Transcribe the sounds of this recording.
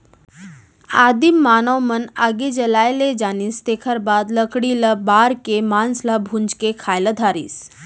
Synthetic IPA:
aːd̪imːaːnəwmənaɡed͡ʒɐlaːjled͡ʒaːnist̪eːkʰəɾbaːd̪ləkɽiləbaːɾkemaːnslabʱũnd͡ʒkekʰaːjləd̪ʱaːɾḭːs

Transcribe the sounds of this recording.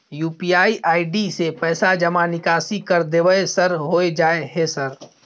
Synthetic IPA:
juːpiaːiʔaːiɖisepɛːsad͡ʒɐmanɪkaːsikɐɾd̪eʋəesɐɾɦoːed͡ʒaːeɦesɐɾ

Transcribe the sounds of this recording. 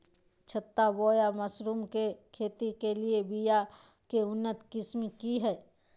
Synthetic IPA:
t͡ʃʰət̪ːabɔːjaməsɾuːmkekʰeːt̪ikeliebija | keʊnːət̪kɪsmikiɦɛː

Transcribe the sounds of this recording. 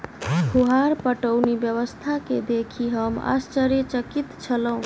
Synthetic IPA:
ɦuɦaɾpəʈəwnibjəβəst̪ʰaked̪ekʰiɦəma̰st͡ʃəɾjət͡ʃəkit̪t͡ʃʰələɦũ

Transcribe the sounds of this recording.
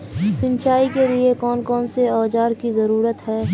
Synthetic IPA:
sɪ̃ɲt͡ʃaːikeliekɔːnkɔːnseɔːd͡ʒaːɾkizɐɾuːɾət̪ɦɛː

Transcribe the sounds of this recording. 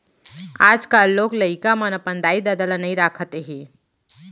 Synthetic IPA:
aːd͡ʒkaːlːoːɡlɐikamɐnɐpə̃nd̪aːid̪ad̪əlanɐĩɾaːkʰət̪eɦiː

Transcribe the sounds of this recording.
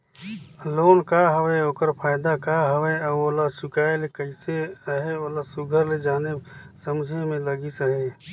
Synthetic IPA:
loːnkaɦəweɦoːkəɾpʰaːɪd̪akaɦəweəoːlat͡ʃʊkaːelekəɪseəɦeoːlasʊɡʱəɾled͡ʒaːnesəmd͡ʒʱemẽləɡisəɦeː

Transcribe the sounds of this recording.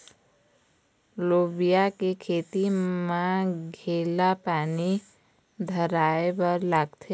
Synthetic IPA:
loːbijakekʰeːt̪imãɡʱeːlapaːni | d̪ʱəɾaːebəɾlaːɡt̪ʰe

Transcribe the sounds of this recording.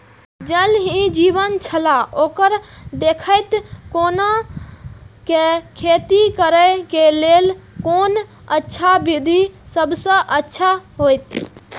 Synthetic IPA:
d͡ʒəlɦĩd͡ʒibənt͡ʃʰəlaokəɾd̪ekʰəjt̪kona | kekʰet̪ikəɾəkelelkon | ətːʃʰabid̪ʱisəbsə̃ʔətːʃʰaɦojt̪

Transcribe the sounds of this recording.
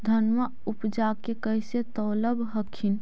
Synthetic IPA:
d̪ʱənmə | upd͡ʒakekəjset̪ələbʱɦəkʰin

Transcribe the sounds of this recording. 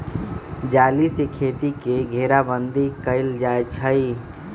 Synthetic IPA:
d͡ʒaːlisekʰeːt̪ikeɡʱeːɾabə̃nd̪ikəɪld͡ʒaːet͡ʃʰəi

